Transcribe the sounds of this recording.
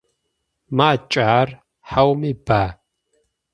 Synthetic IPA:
maːt͡ʃʼaːr | ħawmiːbaː

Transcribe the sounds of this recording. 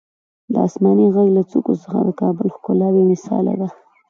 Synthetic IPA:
d̪əɑ̰smɑniɣaɡlat͡sukosəxad̪əkɑbəlxkʊlɑwemɪsɑ̰la̰d̪a

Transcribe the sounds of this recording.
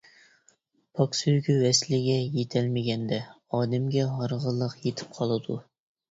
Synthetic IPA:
pʰɑksøjɡʲywɛslɪɡʲɛjet̪ʰɛlmɪɡʲɛnd̪ɛ | ɑːd̪ɛmɡʲɛɦɑɾʁəlˠːəqjet̪ʰɪ̥p̚qʰɑlˠɨd̪u

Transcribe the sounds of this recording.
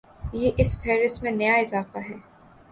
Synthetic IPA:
jeːʔɪsfeːɾɪstmẽnɐjaɪzaːfaɦɛː

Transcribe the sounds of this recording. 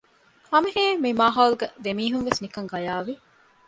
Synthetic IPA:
ɐmeɦeːmimaːɦaːluɡɐd̪emiːɦunʋesnikɐŋɡɐjaːʋi

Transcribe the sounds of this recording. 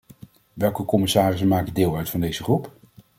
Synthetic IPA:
ʋɛlˠkəkɔmɪsaːrɪs̬əmaːkədɪːlˠœɥtfɑndejz̥əχrup

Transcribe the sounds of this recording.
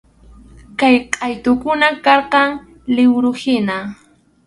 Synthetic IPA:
kajqʼɑjt̪ʊkʊnakɑɾqɑŋ | lɪwɾʊhɪna

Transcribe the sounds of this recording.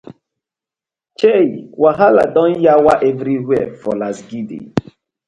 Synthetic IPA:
t͡ʃeiwaɦala̰dɔ̃n̩jawaʔɛvɾiɦɛfɔlasɡidḭ

